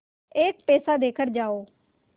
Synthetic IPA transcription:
eːk̚pɛːsaːd̪eːkʰəɾd͡ʒaːoː

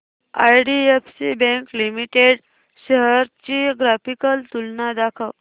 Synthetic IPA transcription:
a̰jɖiefsibɛ̃ŋklimiʈeɽ | ɕəɦəɾt͡ɕiɡɾafikəlt̪ulnad̪akʰəʋ

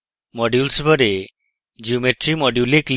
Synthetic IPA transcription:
mɔɖjulsbʱɔɾe | d͡ʒiumeʈɾimɔɖjulikl

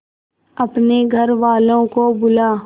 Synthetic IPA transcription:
ɐpneɡʱɐɾʋaːlõkobʊlaː

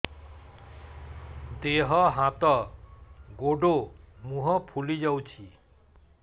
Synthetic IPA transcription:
d̪eɦɔɦãt̪ɔ | ɡoɖomuɦɔpʰulid͡ʒawt͡ʃʰi

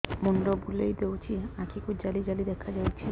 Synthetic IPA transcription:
munɾɔbulejd̪ewt͡ʃʰiãkʰikud͡ʒalid͡ʒalid̪ɛkʰad͡ʒawt͡ʃʰi

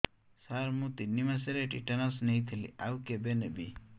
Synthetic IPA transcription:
saɾmũt̪inimas̬eɾeʈiʈɐnasnejt̪ʰilḭʔawkebenɛbi

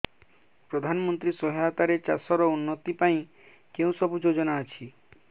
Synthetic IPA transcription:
pɾɔd̪ʱanɔmɔnt̪ɾisɔɦat̪aɾet͡ʃasɔɾɔunːɔt̪ipaĩ | keũsɔbud͡ʒod͡ʒɔnaːt͡ʃʰi

